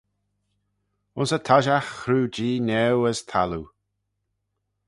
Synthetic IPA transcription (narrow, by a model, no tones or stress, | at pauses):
ʊnsət̪ʰaʒaxɾuːd͡ʒiːnɛwəst̪ʰa̰lu